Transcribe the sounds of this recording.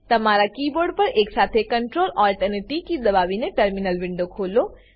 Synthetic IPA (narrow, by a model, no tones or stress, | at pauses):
t̪ɐmaːɾakiːboːɾɖpɐɾeːksaːt̪ʰekəɳʈɾoːlɔːlʈəniʈikid̪ɐbaːʋineʈəɾminəlʋɪɳɖokʰoːloː